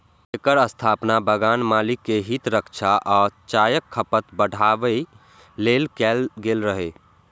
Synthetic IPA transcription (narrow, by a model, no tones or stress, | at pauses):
ekəɾəst̪ʰapnabəɡanmalikːeɦit̪ɾəkt͡ʃʰaʔɔːt͡ʃajəkʰːəpət̪bəɽ̤ʱaʋəi | lelkɛlɡelɾəɦe